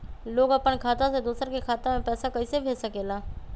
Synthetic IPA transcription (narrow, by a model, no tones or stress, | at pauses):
loːɡɐpənkʰaːt̪ãsed̪uːsəɾkekʰaːt̪ãmẽpɛːsakɐisebʱeːd͡ʒsəkeːlaː